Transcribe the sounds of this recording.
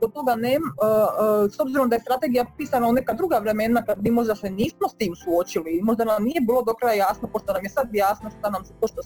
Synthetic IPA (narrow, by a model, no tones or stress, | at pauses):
kot̪o̞ɡane | sobziɾo̞md̪ajest̪ɾat̪e̞ɡijappiːsanaone̞kad̪ɾuɡaʋɾe̞me̞nakad̪̚bimo̞ʒd̪aseniːsmo̞st̪iːmsuot͡ɕiliːmo̞ʒd̪anamnije̞biːlˠod̪okɾajajaːsnopo̞ʃt̪o̞namjesad̪jaːsnoʃt̪anamspoʃt̪o